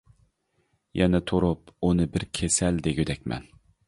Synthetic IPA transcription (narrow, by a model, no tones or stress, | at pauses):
jɛnɛt̪ʰoɾupunɨbɪɾkʲʰesɛld̪eɡʲyd̪ɛk̚ʲmɛ̰n